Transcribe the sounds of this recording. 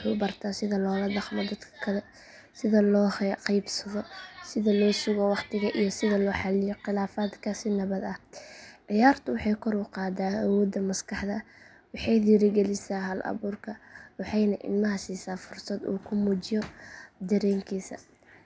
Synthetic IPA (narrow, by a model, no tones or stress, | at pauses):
wħṵːbɐrt̪ʰasɪðɐlɔːlɐɖɑqmɔd̪ɐd̪kʰɐ̥kʰɐlɛ | sɪðɐlɔːhqɑjbsɐðɔsɪðɐlɔːsʊɣɔwɑqt̪ʰɪɣɐʔijɔsɪðɐlɔːħɑlɪjɔqɪlaːfaːd̪kʰasɪnɐβɐd̪ɐʕɪjaːrt̪ʰʊwɑħɑjkʰɔɾʊqɑːd̪aːɐwɔːd̪ɐmɐskʰɑħdɐ | wɑħɑjðiːɾɪɡɛlɪsaːɦɐlʔɐ̰βuːrkʰɐwɑħɑjnɐʔɪ̰lmɐɦɐsiːsaːfʊrsɐd̪ṵːkʰʊmuːt͡ʃɪjɔd̪ɐɾɛːŋkʰiːsɐ̰